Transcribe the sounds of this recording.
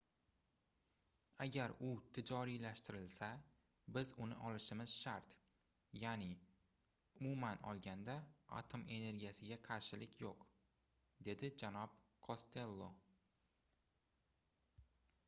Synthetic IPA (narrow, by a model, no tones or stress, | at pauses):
aɡʲaɾʊt̪ʰɪd͡ʒɒɾijlaʃt̪ɪɾɪlsa | bɪzʊnɪ̰ʔɒlɪʃɪmɪz̥ʃaɾt̪ | janɪ | ʊmumanɒ̰lˠɡʲand̪aa̰t̪ʰo̞me̞ne̞ɾɡʲijasɪɡʲaqʰɑɾʃɪlɪkʲʰjoq | d̪e̞d̪ɪd͡ʒanɒb̚kʰost̪ʰe̞lˠːo